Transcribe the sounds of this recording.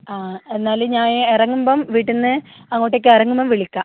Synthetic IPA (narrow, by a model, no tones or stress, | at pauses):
aːe̞nːaːlɨɲaːnerɐŋːumboːmʋiːʈːenːɨ | ɐŋːoːʈːeokːɨerɐŋːumboːmʋiɭikʲːa